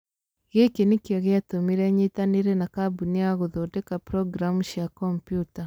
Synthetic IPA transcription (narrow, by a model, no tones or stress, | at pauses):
ɣekenikjaɣeatomiɾɛɲitaniɾenakabuniaɣoðodekapɾɔɡɾamuʃjakɔmpjuta